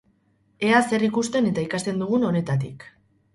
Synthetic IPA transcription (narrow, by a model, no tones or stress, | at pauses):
e̞ase̞rikust̪e̞ne̞t̪aikast̪e̞nd̪uɣ̞uno̞ne̞t̪at̪̬ik